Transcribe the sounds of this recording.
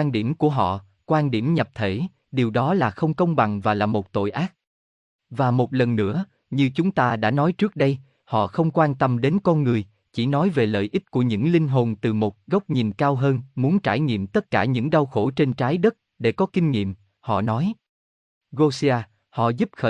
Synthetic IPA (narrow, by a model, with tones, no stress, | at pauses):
a˧nɗi˧˩əmku˧˩əɦɔ̰˧˨ | kwaː˧nɗi˧˩əmɲə˨˩p̚t̪ʰe˧˩ | ɗi˨˩əwɗɔ˨˦laː˨˩xə˧wŋ͡mkə˧wŋ͡mɓa˨˩ŋvaː˨˩laː˨˩mo˨˩t̚t̪o̰˧˨jʔaː˦˥k̚ | vaː˨˩mo˨˩t̚lə˨˩nːɨ̰˧˥ə | ɲɨ˧t͡ɕʊ˨˦ŋ͡mt̪aː˧ɗa̰ː˧˥nɔ˨˦jt͡ɕɨ˦˥ək̚ɗə˧j | hɔ̰˧˨xə˧wŋ͡mkwaː˧nt̪ə˧mɗe˨˦nkɔ˧nŋɨ˨˩əj | t͡ɕi˧˩nɔ˨˦jve˨˩lə̰ː˧˨jʔi˦˥t̚ku˧˩əɲɨ̰˧˥ŋli˧ŋ̟ɦo˧˩nt̪ɨ˨˩mo˨˩t̚ɣə˦˥wk͡p̚ɲi˨˩nkaː˧wɦəː˧nmu˨˦ənt͡ɕaː˧˩jŋḭ˧˨əmt̪ə˦˥t̚kaː˧˩ɲɨ̰˧˥ŋɗa˧wxo˧˩t͡ɕe˧nt͡ɕaː˨˦jɗə˦˥t̚ | ɗe˧˩kɔ˨˦kï˧ŋ̟ŋḭ˧˨əm | hɔ̰˧˨nɔ˨˦j | ɣo˧si˧aː˧ | hɔ̰˧˨zu˦˥p̚xəː˧˨